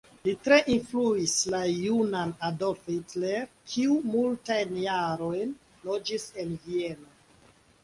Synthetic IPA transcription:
litɾe̞ʔinfluislajunanadofitleɾkʰiumultajnjaɾo̞jn | lo̞d͡ʒise̞nvie̞no

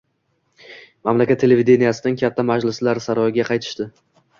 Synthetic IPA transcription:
mamlakʲat̪ʰːe̞levid̪ʲe̞nijasɪnɪŋkʲʰat̪ʰːamad͡ʒlɪslaɾsaɾɒjɪɡʲaqʰɑjt̪ʰɪ̥ʃt̪ɪ

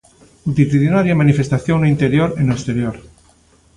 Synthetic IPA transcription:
ut̪it̪iðinaɾjamãnifest̪aθjoŋnaint̪e̞ɾjoɾenest̪e̞ɾjoɾ

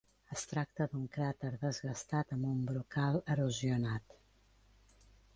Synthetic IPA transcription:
əst̪ɾak̚t̪əd̪uŋkɾat̪əɾðəzɣəst̪at̪əmbumbɾukalˠəruziunat̪

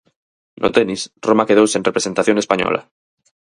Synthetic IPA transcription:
nʔo̰t̪enisromakeð̞owsinrepɾese̞nt̪aθjo̞ŋespaɲo̰lʔa̰

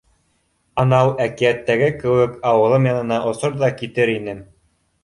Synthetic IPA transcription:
ɑnɑwækiæt̪ːæɡɘkɘ̆wɘkɑwɤ̆lˠɤmjɑnɤ̆nɑʔŏsoɾðɑkit̪ɘɾinɘ

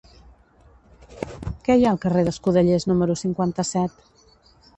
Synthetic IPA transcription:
kɛjaəlˠkəreðəskuð̞əʎeznuməɾusiŋkwant̪əsɛt̪

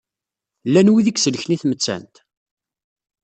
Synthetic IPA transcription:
lːænwiðikːsələçniθmət͡sːæ̰nt̪

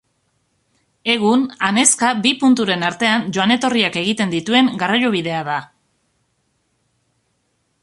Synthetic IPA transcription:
e̞ɣunane̞skabipunt̪uɾe̞naɾt̪e̞and͡ʒo̞ane̞t̪o̞riake̞ɣit̪e̞nd̪it̪ue̞ŋɡarajoβ̞iðe̞aða

